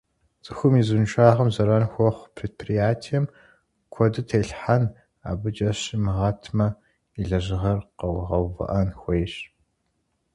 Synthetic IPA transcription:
t͡sʼɨxʷʊmizunʃʷaːʁɐmzɐɾanxʷɔχʷpʰreːd̚pʰrijaːtʰijɛm | kʷʰɔdɨtʰeːɬħan | a̰ːbɨt͡ʃʼɐɕimɨʁɐtʰmɐ | iɮɐʒɪʁɐrqɐwʁɐwvɐ̰ʔɐnxʷejɕ

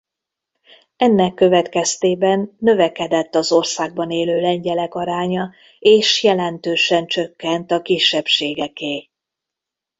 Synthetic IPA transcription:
ɛnːɛkːø̞vɛt̪kɛst̪eːbɛnːø̞vɛkɛd̪ɛt̪ːɒzo̞rsaːɡ̚bɒneːløːlɛɲɟɛlɛkɒɾaːɲɒ | eːʃjɛlɛnt̪øːʃɛnt͡ʃø̞kːɛnt̪ɒkiʃːɛpʃeːɡɛkeː

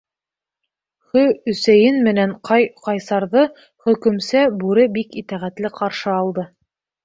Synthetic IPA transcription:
χɵɵ̆sæjɘnmɘ̆næɴqɑjqɑjsɑɾðɤ | χɵ̆kɵ̆msæbʉɾɘbikit̪æʁæt̪lɘqʰɑɾʃɤɑlˠd̪ɤ

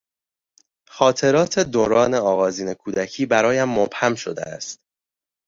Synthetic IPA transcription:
xɒːt̪ʰe̞ɾɒːt̪ʰe̞d̪oɾɒːne̞ɒːɣɒːziːne̞kʰuːd̪æcʰiːbæɾɒːjæmːob̥hæmʃo̞̰d̪ḛæ̰st̪

